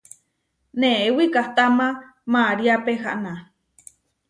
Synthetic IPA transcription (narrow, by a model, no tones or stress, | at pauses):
nẽwikaht̪amã | maɾiapeɦa̰ʔnã